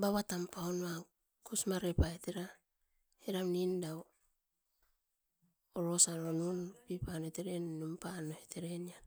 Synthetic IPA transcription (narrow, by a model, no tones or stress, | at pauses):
baβatampaonβa | kusmaɾepaeteɾa | eɾamnindao | oɾo̞saɾonunpipanoteɾenːumpanoheteɾenian